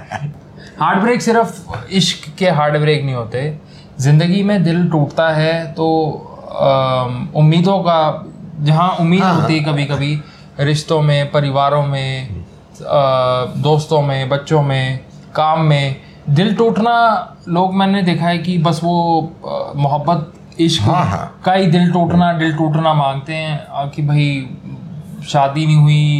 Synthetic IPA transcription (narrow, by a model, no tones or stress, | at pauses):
haːɾɖbɾeːksɪɾəfɪʃkːeɦaːɾɖbɾeːknəɦĩɦoːt̪e | zɪ̃nd̪əɡimẽd̪ɪlʈuːʈt̪aɦɛt̪oː | ʊmːiːd̪õkad͡ʒɐɦãʊmːiːd̪ɦoːt̪iɦɛkɐbʱikɐbʱi | ɾɪʃt̪õmẽpɐɾɪʋaːɾõmẽ | d̪oːst̪õmẽbɐtːʃõmẽ | kaːmːẽ | d̪ɪlʈuːʈna | loːɡmɛ̃ːned̪eːkʰaɛkibɐsʋo | mʊɦəbːət̪̚ | ɪʃkːkaid̪ɪlʈuːʈnaɖɪlʈuːʈnamãːŋɡt̪eɦɛ̃kibʱɐi | ʃaːd̪inĩɦʊi